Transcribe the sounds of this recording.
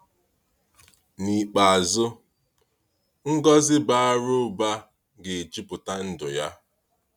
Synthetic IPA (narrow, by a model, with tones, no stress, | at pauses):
ni˨k͡pa˨a˨zʊ˦ | ŋ̩˦ɡɔ˦zɪ˦ba˦˨a˦ɾʊ˦ba˦ | ɡe˨e˨d͡ʒi˦pʊ˨ta˦n̩˦dʊ˨ja˦